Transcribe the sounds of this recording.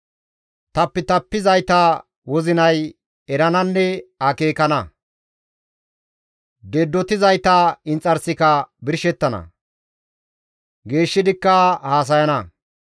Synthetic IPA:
t̪ɐpːɛt̪ɐpːɪzɐjt̪aː | wɔzɪnɐj | ɛɾɐnɐnːɛɐkeːkɐnɐ | d̪eːd̪ːɔt̪ɪzɐjt̪aːɪnt͡sʼːɐɾsɪkɐbɪɾʃɛt̪ːɐnɐ̰ | ɡe̞ːʃːɪd̪ɪkːɐhaːs̬ɐjɐnɐ

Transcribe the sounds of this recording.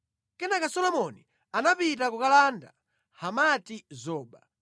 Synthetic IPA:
kɛnakasɔlɔmɔni | anapit̬akukalanda̰ | hamatizɔːɓa

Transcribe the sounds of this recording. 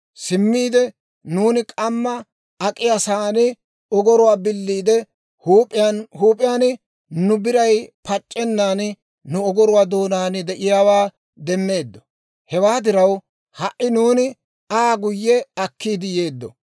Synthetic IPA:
sɪmːiːd̪ɛ | nuːnɪkʼɐmːɐ | ɐkʼːɪjɐsaːnɪ | ɔɡɔɾʊwaːbɪlːiːd̪ɛ | huːpʼːɪjanhuːpʼːɪjaːnɪ | nʊbɪɾɐjpɐt͡ʃʼːɛnːaːn | nʊɔɡɔɾʊwaːd̪oːnaːnɪd̪ɛʔɪjaːwaː | d̪ɛmːe̞ːd̪ːɔ̥ | hɛwaːd̪ɪɾɐw | hɐʔʔɪnuːnɪ | aːɡʊjːɛɐkːiːd̪ɪje̞ːd̪ːɔ

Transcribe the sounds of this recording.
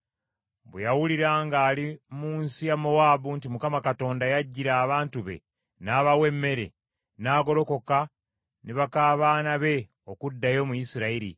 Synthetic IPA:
bḛjawuliɾaːŋɡaːlimuːnsijamo̞waːbuntimukamakato̞ːndajaɟːiɾaːβaːntuβe̞̰ | naːβawe̞mːe̞ɾe̞̰ | naːɡo̞ɾo̞ko̞ka | neβakaːβaːnaβe̞ | o̞kudːajo̞mujisiɾaiɾḭ

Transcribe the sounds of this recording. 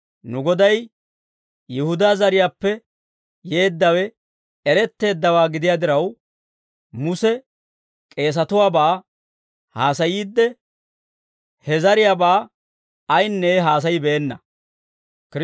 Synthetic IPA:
nʊɡɔd̪ɐj | jɪhʊd̪aːzɐɾɪjaːpːɛ | je̞ːd̪ːɐwɛ | ɛɾɛt̪ːe̞ːd̪ːɐwaːɡɪd̪ɪjaːd̪ɪɾɐw | mʊsɛ | kʼe̞ːs̬ɐt̪ʊwaːbaː | haːsɐjiːd̪ːɛ | hɛzɐɾɪjaːbaː | ɐjnːɛɦaːs̬ɐjɪbɛːnːɐ | kɾ

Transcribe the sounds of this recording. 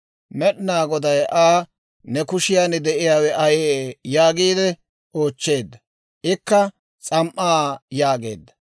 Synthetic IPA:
mɛɗnaːɡɔd̪ɐjʔaː | nɛkʊʃɪjaːnɛd̪ɛʔɪjaːwɛʔɐjeːjaːɡiːd̪ɛ | o̞ːt͡ʃːe̞ːd̪ːɐ | ʔɪkːɐ | t͡sʼɐmʔːaːjaːɡe̞̰ːd̪ːɐ̥

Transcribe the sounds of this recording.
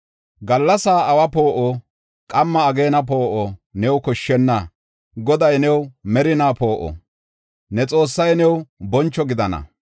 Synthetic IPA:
ɡɐlːɐsaːʔɐwɐpo̞ːʔɔ | kʼɐmːɐːɡe̞ːnɐp̬o̞ːʔɔnɛwkɔʃːɛnːɐ | ɡɔd̪ɐjnɛwmɛɾɪnaːpo̞ːʔɔ̰ | nɛt͡sʼo̞ːsːɐjnɛwbɔnt͡ʃːɔɡɪd̪ɐnɐ̰

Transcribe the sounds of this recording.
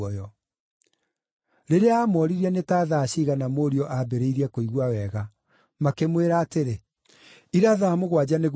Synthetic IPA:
ɔjɔ | ɾeɾeaːmɔɾiɾɛnetaːðaːɕiɣanamoːɾiɔʔabeɾeiɾiakoiɣwawɛɣa | makemweɾaːteɾe | iɾaðaːmoɣwad͡ʑaneɣ

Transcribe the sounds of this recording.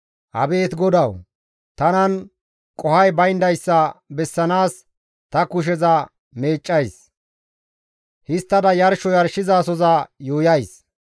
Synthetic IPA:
hɐ̰be̞ːt̪ɡɔd̪ɐw | t̪ɐnɐn | kʼɔhɐjbɐjnd̪ɐjsːɐbɛsːɐnaːs | t̪ɐkʊʃ̬ɛzɐ | meːt͡ʃʼːɐjs | hɪst̪ːɐd̪ɐjɐɾʃɔjɐɾʃɪzaːsɔzɐjuːjɐjs

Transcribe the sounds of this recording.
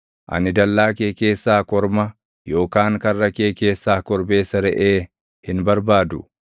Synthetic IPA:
ʔɐ̰nɪd̪ɐlːaːkeːke̞ːsːaːkɔɾmɐ | jo̞ːkaːŋkɐrːɐkeːke̞ːsːaːkɔɾbe̞ːsɐɾɛʔeː | hɪnbɐɾbaːd̪ʊ

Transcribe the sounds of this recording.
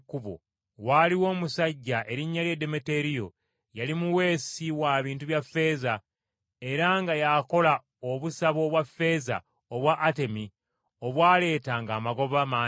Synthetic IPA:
kːuβo̰ | waliwo̞ːmusaɟːaʔe̞ɾiɲːaljede̞mete̞ɾijo̞̰ | jalimuwe̞ːsiwaβiːntuβjafe̞ːza | e̞ɾaŋɡajako̞la | oβusaβo̞βwafːe̞ːza̰ | oβwaʔːte̞mi | o̞βwaːle̞ːtaŋɡaːmaɡo̞βama

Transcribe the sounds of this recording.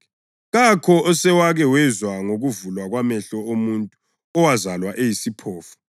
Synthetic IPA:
ɣakʰɔɔsɛwaɣɛwɛzwaŋoɣuvulwaɣwamɛɬɔomuntʼu | ɔwazalwaʔejisipʰɔːfu̥

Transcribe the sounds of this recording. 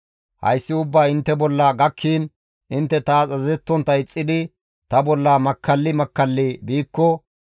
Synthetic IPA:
hɐ̰jsːɪʊbːaːɪnt̪ːɛbɔlːɐɡɐkʰːiːn | ʔɪnt̪ːɛt̪aːt͡sʼɐzɛt̪ːɔnt̪ɐɪt͡sʼːɪd̪ɪ | t̪ɐbɔlːɐmɐkʰːɐlːɪmɐkːɐlːɪbiːkːɔ

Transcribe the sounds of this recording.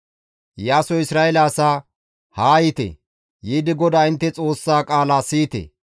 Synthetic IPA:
jaːsɔɪsɾaːɛlaːsa | haːjɪt̪ɛ̰ | jiːd̪ɪɡɔd̪aɪnt̪ːɛt͡sʼo̞ːsːaːkʼaːlaːsiːt̪ɛ̰

